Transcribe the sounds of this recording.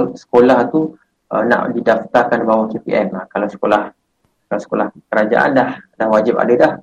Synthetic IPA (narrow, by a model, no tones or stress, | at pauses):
sə̥kolaht̪u | ə̰na̰ʔdidaft̪arkandbawakepḭʔɛmakalawsə̥kolah | kalawsə̥kolahkəɾad͡ʒa̰ʔa̰ndahdahwad͡ʒɪpa̰dədah